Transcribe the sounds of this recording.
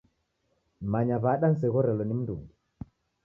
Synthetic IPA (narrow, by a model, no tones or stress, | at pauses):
maɲaβaɗan̩s̬ɛɣɔɾɛlɔnim̩duŋɡu